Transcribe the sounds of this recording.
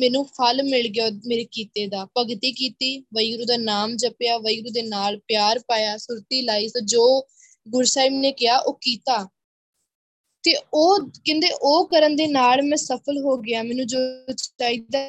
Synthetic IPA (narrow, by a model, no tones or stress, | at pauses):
mɛːnũːpʰəlmɪlɡɪjoːmeːɾeːkiːt̪eːd̪aːpəɡt̪iːkiːt̪iːʋəiɡɾũːd̪aːnaːmd͡ʒəpjaːʋəiɡɾũːd̪eːnaːlpɪjaːɾpaːjaːsʊɾt̪iːlaːiːsõːd͡ʒoː | ɡʊɾsaːiːmneːkɪjaːʔoːkiːt̪aː | t̪eːoːkɪ̃nd̪eːʔoːkəɾənd̪eːnaːlmɛ̃ːsəpʰəlɦoːɡɪaːmɛːnũːd͡ʒoːt͡ʃɪ̥t̪aːiːd̪a